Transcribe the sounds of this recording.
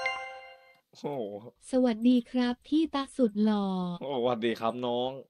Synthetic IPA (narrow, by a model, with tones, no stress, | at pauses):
oː˧˩sa˧wa˨˩t̪̚diː˧kʰɾa˦˥p̚t̪ʰiː˥˩t̪a˦˥k̚su˨˩t̪̚lɔː˧˩˧wa˨˩t̪̚diː˧˩kɾa˦˥p̚nɔː˦˥ŋ